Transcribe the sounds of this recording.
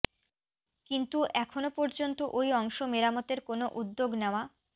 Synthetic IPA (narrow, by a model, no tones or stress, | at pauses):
kint̪uʔɛkʰonopɔɾd͡ʑont̪oʔojɔŋʃomeɾamot̪eɾkonoʔud̪ːoɡnɛoa